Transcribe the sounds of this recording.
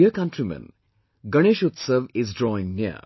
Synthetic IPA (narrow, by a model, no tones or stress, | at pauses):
əkɐ̃nʈɾimɛ̰̃n | ɡɐɽ̃eːʃut̪səʋɪzdɾɔɪ̃ŋniə̰